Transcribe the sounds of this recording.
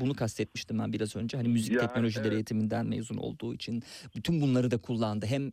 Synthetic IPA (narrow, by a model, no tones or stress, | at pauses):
bunukʰast̪ʰɛt̪̚miʃt̪ʰimbæ̰nbiɾazø̞nd͡ʒɛɦanimyzic̪̚ʰɛcno̞lʲo̞ʒilʲeɾejet̪ʰimind̪ænmḛvzuno̞̰lˠd̪uːit͡ʃʰinbyt̪ʰynbunlˠaɾɯd̪akʰulˠːand̪ɯɦɛm